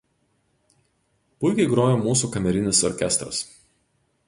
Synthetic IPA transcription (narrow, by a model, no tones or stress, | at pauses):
pʊɪkʲɛɪɡɾoːjoːmuːs̬uːkɐmʲɛɾʲɪnʲɪsɔɾʲkʲɛst̪ɾɐ̰s